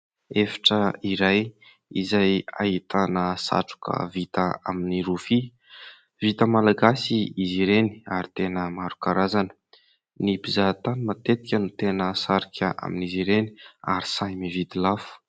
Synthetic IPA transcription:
efḁʈ͡ʂəiɾaj | izaja̰ɦit̪anəsa̰ʈ͡ʂu̥kə̰vit̪əa̰miniɾufi | vit̪əmalaɡasiiziɾeni̥aɾit̪enəmaɾukaɾazanə | nipizat̪animat̪et̪i̥kʲənut̪enəsaɾikʰʲəʔa̰miniziɾeni̥a̰ɾi̥sajmivit̪ilafu̥

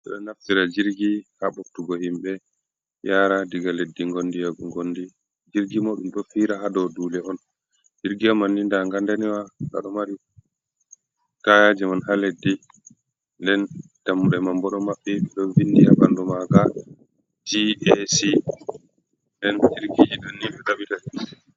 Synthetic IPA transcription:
ʔɛ̰ɗɔnaftiɾad͡ʒiɾɡihaɓoktuɡɔhimɓɛ | jaːɾadiɡaledːiŋɡondijaɡuŋɡondi | d͡ʒiɾɡimoɗumɗɔfiːɾaɦadɔduːlɛɔn | d͡ʒiɾɡiamanːindaŋɡandaniwaka̰ɗɔmaɾi | kajad͡ʒɛmanhaledːi | ndɛn | d̥amːuɗɛmambɔɗɔmaɓːɛɓɛɗɔvinːdija̰bandɔmaɡa | d͡ʒiesi | ndɛnd͡ʒiɾɡid͡ʒiɗɔnːiɗɔɗaɓitai

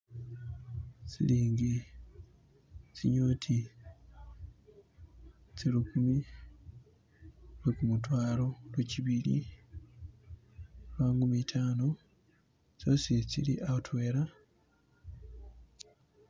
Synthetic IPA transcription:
sḭliːŋɡi | sḭɲo̞ːtʰi | selukumi | wekumutwaːlo̞lweciβilḭ | lwaːŋɡumitʰaːno̞ | sosisḭliʔaotwe̞ːɾa

